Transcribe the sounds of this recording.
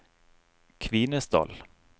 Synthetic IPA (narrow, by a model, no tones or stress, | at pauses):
kʰvɪnəsd̪ɑ̰l